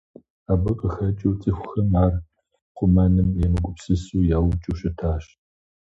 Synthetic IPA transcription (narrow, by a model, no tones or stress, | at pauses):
aːbɨqʼəxɐt͡ʃʼɐwt͡sʼixʷʊ̥xɐmaːr | qʷʊmanɨmjɛmɨkʷʼʊpsɨsuːjaːwʊt͡ʃʼɨɕɐtʰaːɕ